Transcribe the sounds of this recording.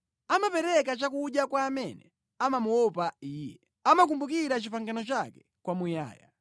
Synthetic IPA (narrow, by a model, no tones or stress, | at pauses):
amapɛɾɛk̬at͡ʃak̬uɗjakwaːmɛnɛ | amamuɔpaiːjɛ | amak̬umbuk̬iɾat͡ʃipaŋɡanɔt͡ʃakɛ̥ | kwamuja̰ːja̰